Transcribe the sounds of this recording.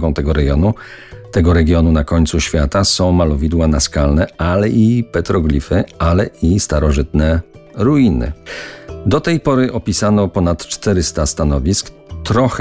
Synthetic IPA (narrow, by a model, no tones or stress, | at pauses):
ɡɔ̃w̃t̪ɛɡɔɾɛɡjɔnu | t̪ɛɡɔɾɛɡʲjɔnunakɔɲt̪suɕfʲjat̪asɔ̃w̃malɔvʲid̪wanaskalnɛalɛʔipɛt̪ɾɔɡlʲifɘalɛist̪aɾɔʐɘt̪nɛɾuinɘ̰ | d̪ɔt̪ɛjpɔɾɘʔɔpʲisanɔpɔnat̪t͡ʂt̪ɛɾɘst̪ast̪anɔvʲisk | t̪ɾɔx